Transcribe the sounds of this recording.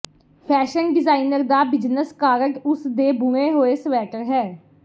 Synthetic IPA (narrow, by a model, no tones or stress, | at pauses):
pʰɛːʃənɖɪzaːinəɾd̪aːbɪd͡ʒnəskaːɾəkʊsd̪eːbʱuẽːɦoːeːsʋɛːʈəɾɦɛː